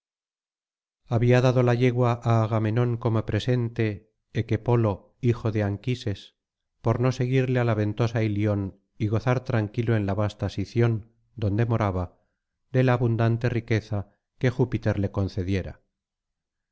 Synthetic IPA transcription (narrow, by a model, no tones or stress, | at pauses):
aβiaðaðo̞laʎe̞ɣwaʔaːɣame̞no̞ŋko̞mo̞pɾe̞se̞nt̪e̞ː | kepo̞lo̞ | ixo̞ðe̞aŋkise̞s | po̞ɾno̞se̞ɣ̞iɾle̞alaβe̞nt̪o̞sailjio̞n | iɣo̞θaɾt̪ɾaŋkiloe̞nlaβast̪asiθjo̞n | d̪o̞nd̪e̞mo̞ɾaβa | d̪e̞laːβund̪ant̪e̞rike̞θa | ke̞xupit̪e̞ɾle̞ko̞nθe̞ðje̞ɾa̰